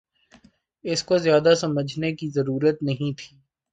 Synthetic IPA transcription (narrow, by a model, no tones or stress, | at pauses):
ɪskozjaːd̪asɐməd͡ʒʱnekizɐɾuːɾət̪nɐɦĩt̪ʰiː